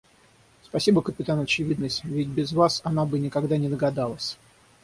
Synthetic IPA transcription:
spɐsʲibəkəpʲɪt̪anɐt͡ɕɪvʲid̪nəsʲtʲvʲɪtʲbʲɪzvasɐnabɨnʲɪkɐɡd̪anʲɪd̪əɡɐd̪alˠəsʲ

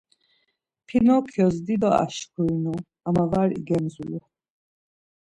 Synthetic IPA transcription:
pʰinɔkʰjɔzd̪id̪ɔa̰ʃkʰujnu | amavaɾḭɡɛmzulɛ

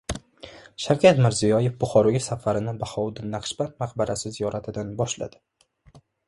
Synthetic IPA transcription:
ʃawkʲʰat̪mɪɾzijɒje̞fbʊχɒɾɒɡʲasafaɾɪnɪbahɒwd̪ɪnːaqʰʃbant̪maqbaɾʔasɪzijɒɾat̪ʰɪd̪anbɒʃla̰d̪̥ɪ̥

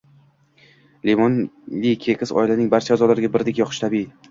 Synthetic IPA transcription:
lemɒnlikʲʰekʰʲɪsɒ̰ilanɪŋbaɾt͡ʃʰaːzɒlaɾɪɡʲabɪɾd̪ekʲjɒχʰɪʃt̪ʰabi

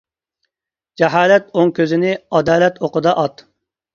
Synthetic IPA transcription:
d͡ʒɛɦɑːlɛt̪oŋkʲøzɪnɪɑd̪ɑːlɛt̪ʰoqəd̪ɑʔɑt̪

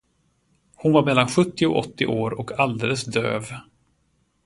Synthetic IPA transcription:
hʊnvaɾmɛlːanɧɵt̪ːɪʊ̰ʔɔt̪ːɪʔoːɾɔkʰald̪eːləsd̪ø̰ːv

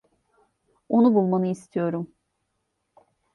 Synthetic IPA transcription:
onubulˠmanɯist̪ʰijo̞ɾum

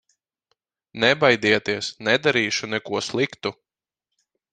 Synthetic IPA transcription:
nɛbajd̪iɛt̪iɛsnɛd̪aɾiːʃunɛkuɔslˠikt̪u

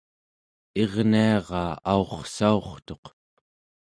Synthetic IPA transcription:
e̞ʁniɑʁɑːaoχsao̞χt̪o̞q

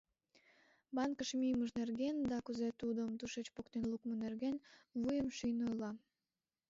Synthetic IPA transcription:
bɑnkəʃmijməʒnerɣend̪ɑkuzet̪ud̪əmt̪uʃet͡ɕpokt̪enlˠukmənerɣenβujəmʃyjnojlɑ

